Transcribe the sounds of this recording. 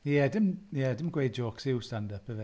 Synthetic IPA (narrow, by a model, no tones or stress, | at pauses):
jɛdɪmjɛdɪmɡwejd̚d͡ʒoːksɪwstandəpʰəvɛ